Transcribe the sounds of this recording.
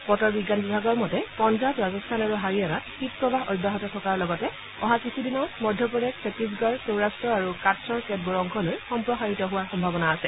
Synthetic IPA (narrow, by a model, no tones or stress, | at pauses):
bɔtɔɹbiɡanbibʱaɡɔɹmɔtɛpɔnzatɹazɔstʰanaɹuɦaɹianat̚xit̚pɹɔbaɦɔ̰jdʱaɦɔtɔtʰɔkaɹlɔɡɔtɛ | ɔɦakisʰidinɔmɔdʱjɔpɔɹɛksʰepis̬ɡɔɹsowɹastɹɔaɹukatsɔɹkɛt̚boɹɔŋkʰɔlojxɔmpɹɔxaɹitɔɦʊwaɹxɔmbʱabɔnaːsɛ